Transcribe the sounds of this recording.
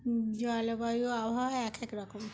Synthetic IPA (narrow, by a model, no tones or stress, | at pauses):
d͡ʒɔlobabioabʱawɛkʰɛkɾɔkom